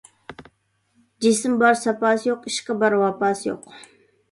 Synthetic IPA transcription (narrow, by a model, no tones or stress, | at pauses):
d͡ʒisɪmbɑɾsɑpɑsjoqiʃkɑbɑɾwɑpɑsjo̰q